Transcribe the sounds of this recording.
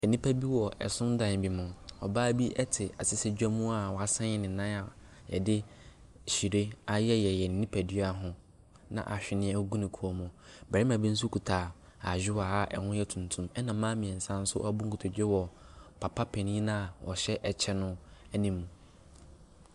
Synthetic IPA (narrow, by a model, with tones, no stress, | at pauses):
ɛ˨nĩ˦pʰæ˦bi˦wɔ˨ʔɛ̰˨sʊ̃˦n˦dã˨n˨bi˨mʊ̃˨ɔ˨baː˦bi˦ʔɛ˦tʰɪ˨a˨sɪ˦sɪ˦d͡ʑᶣɛ˦mũ˦a˨wɔ˨a˨sã˦ɪ˦nɪ̃˨nã˦a˨ | jɛ̰˨dɪ˦ | ɕi˨ɾe˦a˦jɛ˦jɛ˨jɛ˨n̩˨nĩ˦pʰæ˨di˦a˨ɦʊ̃˦ | nã̰˨ʔa˨ɕᶣɪ˨nɪ̃˦ɛ˦ɡu˦nĩ˨kʰu˨ɔ˨mʊ̃˨bɛ˨i˦mã˨bi˦n̩˦s̬u˦kʰu˨tʰaː˨ | a˨d͡ʑᶣɪ˦waː˨˦ʔɛ̰˨hʊ̃˦jɛ˦tʰũ˨ntʰũ˦mɛ˦nã˨˦mãː˦mĩ˨ɛ̃˨n̩˨sã˦n̩˦sʊ˦ʔɔ̰˦a˦bʊ˦ŋ̩˦kʰu˨tʰʊ˨d͡ʑᶣɪ˦wɔ˨ | pʰa˨pʰa˦pʰɛ˨nĩ˦nã˦a˨wʔɔ̰˨ɕɛ˦ʔɛ˨t͡ɕʰɛ˦nʊ̃˦ɛ˦nĩ˦mːũ˨